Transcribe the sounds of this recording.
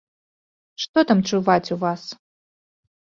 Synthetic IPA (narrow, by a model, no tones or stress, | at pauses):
ʂtod̪amʈ͡ʂʰuvatʰʲuvas